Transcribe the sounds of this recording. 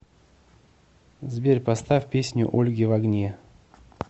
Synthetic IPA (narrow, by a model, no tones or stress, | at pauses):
zbʲerʲpɐst̪afʲpʲesʲnʲʊ̰ʔolʲɡʲɪvɐɡnʲe